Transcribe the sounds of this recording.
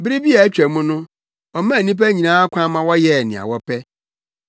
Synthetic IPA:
bɪ˦ɾɪ˦bi˦a˨æ˦t͡ɕᶣæ˨mũ˦nʊ̃˦ | ɔ˨mã˦˨nĩ˦p̬æ˦ɲĩ˨nãː˦a˦kʷʰã˦mã˨wɔ˦jɛ˦˨nɪ̰̃˨a̰˨wɔ˦pʰɛ˦

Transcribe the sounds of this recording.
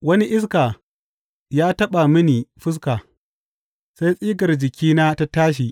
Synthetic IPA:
wɐ˦ni˦ʔɪ˦s̬kaː˨ | jaː˦tɐ˦ɓa˨mɐ˦niː˨ɸʊ˦s̬kaː˨ | sa˦jsʼiː˦ɡɐ˨rd͡ʒɪ˨kʲiː˦naː˦ta˦taː˦ʃ̬iː˨ʔ

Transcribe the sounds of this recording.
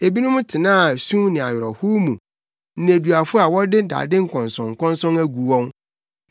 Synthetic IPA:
e˨bi˦nʊ̃˦m̃˦tʰɪ˨nãː˦˨sũ˦nɪ̃˨a˨jɔ˨ɾɔ˨hu˦mũ˨ | ñ̩˨e˨du˨a˨fʊ˦a˨wɔ˦dɪ˦da̰ː˨dɪ̃˦ŋ̩˨kʰɔ̃˨nsɔ̃˨ŋ̩˨kʰɔ̃˦nsɔ̃˦næ˦ɡu˨˦wɔ̃˦n

